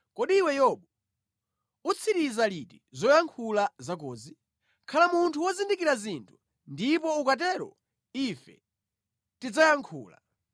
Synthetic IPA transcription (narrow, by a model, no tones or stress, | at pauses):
kɔɗiwɛjɔɓɔ | ut͡sʰiɾizalitizɔjaŋkʰulazakɔːzi | kʰalamuntʰuwɔzindikiɾazintʰu̥ | ndipɔukat̬ɛɾɔ̰ | ifɛ̰ | tid͡zajaŋkʰṵːla̰